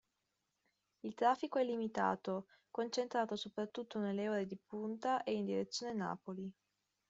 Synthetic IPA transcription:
ilt̪ɾaːfːikoɛlːimit̪a̰ːt̪o | kont͡ʃent̪ɾaːt̪osopɾat̪ːut̪ʰːonelːeoːɾed̪ipunt̪aʔeind̪iɾet̪sːjoːnena̰ːpoli

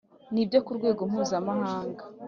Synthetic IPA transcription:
nibjo̞kuɾɡwe̞ːɡo̞m̥huːzamahaːŋɡa

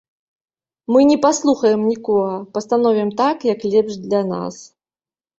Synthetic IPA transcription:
mɨnʲɛpaslˠuxɐjɛmnʲikɔɣɐpɐst̪anɔvʲɛmt̪akjɐklʲɛpʂd̪lʲɐna̰s

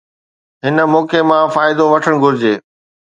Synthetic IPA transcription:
ɦɪnə̆moːkemãfaːɪd̪oʋɐʈʰəɽ̃ɡʱʊɾɪd͡ʑeː

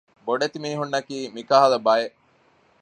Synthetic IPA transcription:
boɖet̪imiːɦunːɐkiːmikaɦɐlɐbɐjeʔ

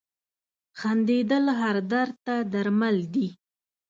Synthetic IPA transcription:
xand̪ed̪əlɦaɾd̪aɾt̪ad̪aɾmald̪i

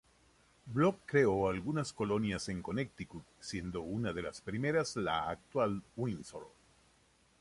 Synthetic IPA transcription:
blokːɾe̞oalɣunasko̞lo̞njase̞ŋko̞nek̚t̪iku | sje̞nd̪o̞unaðe̞laspɾime̞ɾazlaːk̚t̪walwinsoɾ

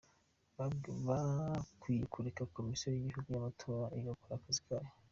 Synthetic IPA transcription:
βaβakwiːjekʰuɾekako̞misiojiɟihuɡujamatʰo̞ːɾaʔijokaɾakazi̥kʰaɾe

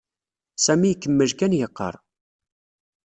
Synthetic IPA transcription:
sæmikːəmːəʒkænjəqːə̰ɾˤ

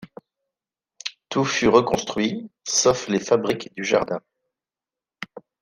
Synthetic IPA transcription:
t̪ufyʁəkɔ̃st̪χɥisɔflefabʁikd̪yʒa̰ʁd̪ɛ̃

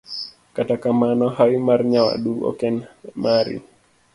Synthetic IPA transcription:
katakamanɔɦaimarɲawa̰ɗuɔ̰kɛnmaɾḭ

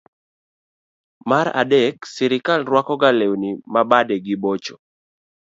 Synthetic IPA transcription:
maɾa̰dɛksɛɾɪkalɾwakɔɡalewnimabadɛɡɪbot͡ʃo

